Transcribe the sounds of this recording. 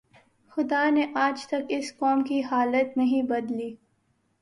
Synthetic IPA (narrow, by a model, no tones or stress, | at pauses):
xʊd̪aːneʔaːd͡ʒt̪ɐkɪskɔːmkiɦaːlət̪nɐɦĩbɐd̪liː